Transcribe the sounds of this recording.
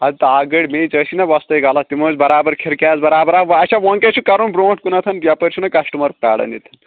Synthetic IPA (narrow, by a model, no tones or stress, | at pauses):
ɐd̪it̪ɐaɡɐɽʲmet͡sɐsʰinɐbɐst̪ɐjɡalɐt̪imozbɐɾaːbɐɾkʰeɾkʲaːzbɐɾaːbɐɾaʋɐt͡ʃʰaʋɐŋket͡ʃʰukɐɾunbɾoːʈkunɐt̪ʰɐnbɐpɐɾʲt͡ʃʰunɐkɐsʈumɐɾ̚ka̰ːɽɐ̰nit̪ʰɐn